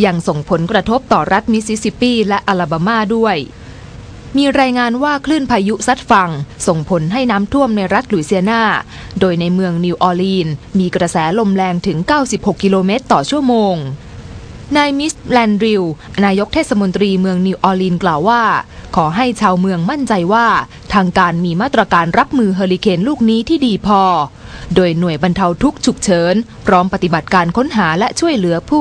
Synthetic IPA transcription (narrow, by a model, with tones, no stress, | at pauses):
ja˧ŋso˨˩ŋpʰo˩˦nkɾa˧t̪ʰo˦˥p̚t̪ɔː˨˩ɾa˦˥t̪̚mi˦˥si˦˥si˧˥piː˥˩lɛ˦˥ʔa˧laː˧baː˧maː˥˩du˥˩əj | miː˧ɾaː˧jŋaː˧nwaː˥˩kʰlɯː˥˩npʰaː˧ju˦˥sa˦˥t̪̚fa˧ŋso˨˩ŋpʰo˩˦nɦa˥˩jnaː˦˥mt̪ʰu˥˩əmna˧jɾa˦˥t̪̚luː˩˦jsi˧ənaː˥˩ | doː˧jna˧jmɯ˧əŋniː˧wʔɔː˧liː˧nmiː˧kɾa˧sɛː˩˦lo˧mlɛː˧ŋt̪ʰɯ˩˦ŋkaː˥˩wsi˨˩p̚ho˨˩kːi˧loː˧meː˦˥t̪ːɔː˨˩t͡ɕʰu˥˩əmoː˧ŋ | naː˧jmi˦˥slɛː˧nɾi˧wnaː˧jo˦˥k̚t̪ʰeː˥˩sa˧mo˧nt̪ɾiː˧mɯ˧əŋni˧wʔɔː˧liː˧nklaː˨˩wːaː˥˩kʰɔː˩˦ɦa˥˩jt͡ɕʰaː˧wmɯ˧əŋma˥˩nt͡ɕa˧jwaː˥˩ | t̪ʰaː˧ŋkaː˧nmiː˧maː˥˩t̪ɾa˧kaː˧nɾa˦˥p̚mɯː˧ɦaː˧li˧kʰeː˧nluː˥˩k̚niː˦˥t̪ʰiː˥˩diː˧pʰɔː˧doː˧jnu˨˩əjba˧nt̪ʰa˧wt̪ʰu˦˥k̚t͡ɕʰu˨˩k̚t͡ɕʰɤː˩˦npʰɾɔː˦˥mpa˨˧t̪i˨˩ba˨˩t̪̚kaː˧nkʰo˦˥nɦaː˩˦lɛ˦˥ʔt͡ɕʰu˥˩əjlɯ˩˦ɐpʰuː˥˩